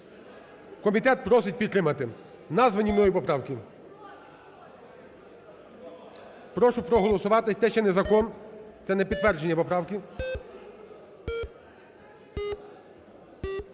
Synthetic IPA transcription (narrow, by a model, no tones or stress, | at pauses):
kɔmʲit̪ɛt̪̚pɾɔsɪtʲpʲid̪t̪ɾɪmɐt̪ɪ | nɑzʋɐnʲimnɔjipɔpɾɑwkʲɪ | pɾɔʃʊpɾɔɦɔlˠɔsʊʋɑt̪ɪsʲt̪ɛʃt͡ʃɛnɛzɐkɔnt̪sɛnɛpʲid̪t̪ʋɛrd͡ʒenʲːɐpɔpɾɑwkʲi